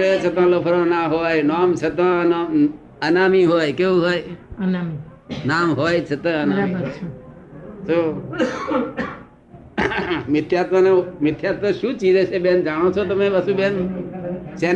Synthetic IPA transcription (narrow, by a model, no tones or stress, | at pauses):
et͡ʃʰət̪ãːlopʰɾõːnaːɦoːjnaːmt͡ʃʰət̪ãːn | ənaːmiɦoːjkeũɦoːjnami | naːmɦoːjt͡ʃʰet̪ãənaːmi | soː | mɪt̪ʰjaːt̪mənemɪt̪ʰjaːt̪mə̃ʃũːt͡ʃiːd͡ʒet͡ʃeɓeːnd͡ʒaɽ̃oːt͡ʃʰot̪ɐmẽbəsuben | t͡ʃeː